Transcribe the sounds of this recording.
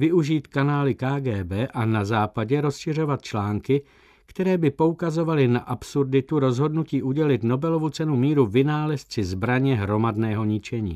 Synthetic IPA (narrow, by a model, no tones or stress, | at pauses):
vɪʔuʒiːt̪kanaːlɪkaːɡɛːbɛːʔanazaːpaɟɛɾo̞sʃɪr̝o̞vat̪̚t͡ʃlaːŋkɪ | kt̪ɛɾɛːbɪpo̞ukazo̞valɪnaʔapsuɾdɪt̪uɾo̞zɦo̞dnuciːʔuɟɛlɪt̪no̞bɛlo̞vut͡sɛnumiːɾuvɪnaːlɛst͡sɪzbɾaɲɛɦɾo̞madnɛːɦo̞ɲɪt͡ʃɛɲḭː